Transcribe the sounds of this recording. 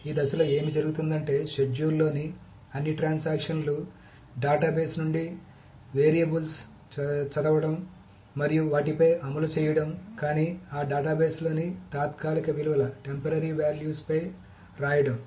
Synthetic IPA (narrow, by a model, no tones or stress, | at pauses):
iːd̪ɐsɐlɐːe̞ːmid͡ʒɐɾuɡut̪und̪ɐɳʈe̞ːʃed͡ʒuːlːo̞ːni | ɐnːiʈɾaːnsaːkʂɐnlu | ɖaːʈaːbe̞ːsnuɳɖi | ʋeːɾijɐbuls | t͡ʃɐd̪ɐʋɐɽɐm | mɐɾijuʋaːʈipɐjɐmɐlut͡ʃɛːjɐɽɐmkaːniːaːɖaːʈaːbeːslo̞ːnit̪aːt̪kaːlikɐʋiluʋɐlɐʈe̞mpɐɾɐɾiʋaːljuːspɐj | ɾaːjɐɽɐm